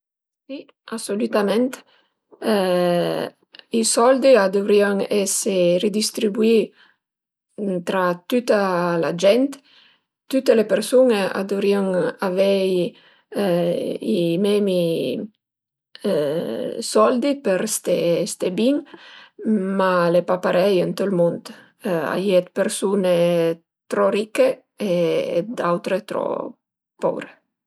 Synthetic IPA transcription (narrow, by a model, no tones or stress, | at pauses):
si | asolyt̪amɛnt̪ | isɔld̪iad̪ovɾiaŋɛsered̪ist̪ɾibui | t̪ɾat̪ut̪alad͡ʒɛnt̪ | t̪ut̪ːelepeɾsunea̰d̪ovɾiaŋavɛj | imɛmi | sɔld̪ipeɾst̪est̪ebiŋ | malepapaɾɛjent̪olmont̪ | a̰jɛt̪̚peɾsune | t̪ɾɔɾikːe | ḛd̪awt̪ɾet̪ɾɔ̰ | pɔ̰vɾe